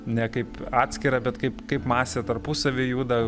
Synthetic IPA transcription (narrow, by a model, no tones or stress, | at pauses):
nʲɛkɐɪpɑːt̪ʲsʲkʲɪɾɐbʲɛt̪kɐɪpkɐɪpmɑːsʲeːt̪ɐɾpusɐʋʲeːjuːd̪ɐ